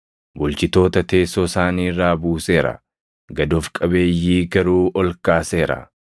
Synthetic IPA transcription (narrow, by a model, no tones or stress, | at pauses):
bʊlt͡ʃɪt̪o̞ːt̪ɐt̪e̞ːsɔːsaːniːrːaːbuːse̞ːɾɐ̰ | ɡɐd̪ɔfkʼɐbe̞ːjːiːɡɐɾuːʔɔlkaːse̞ːɾɐ̰